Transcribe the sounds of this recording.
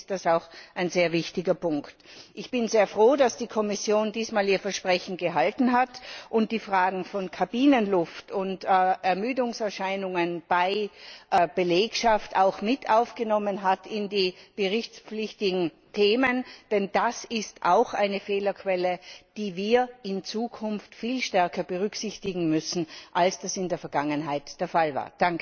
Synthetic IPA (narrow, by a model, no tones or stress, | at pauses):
st̚d̥asaʊxaɪnzeːɐvɪçtɪɡɐpʊŋktʔɪçb̥ɪnzeːɐfʁ̥oːdasd̥iːkʰɔmɪsjoːndiːsmaːliːɐfɛɐʃpʁ̥ɛçn̩ɡəɦaltn̩ɦatʔʊnt̚d̥iːfʁaːɡŋ̩fɔnkʰabiːnənlʊftʊntːɛɐmyːdʊŋsɛɐʃaɪnʊŋənb̥aɪʔəb̥əleːkʃafta̰ʊxmɪtʰaʊfɡ̥ənɔmənɦatʰɪndiːɡ̥əʁɪçt͡spp͡flɪçtɪɡŋ̩ | tʰeːmənd̥ɛnd̥asɪstʔa̰ʊxʔa̰ɪnəfeːlɐkʰv̥ɛləd̥iːviːɐɪnt͡suːkʰʊnftfiːlʃtɛɐkʰɐb̥əʁ̞ʏksɪçtɪɡŋ̩mʏsn̩ʔalsd̥asɪndeːɐfɛɐɡ̥aŋənɦaɪtd̥eːɐfalva̰ːɐd̥aŋkə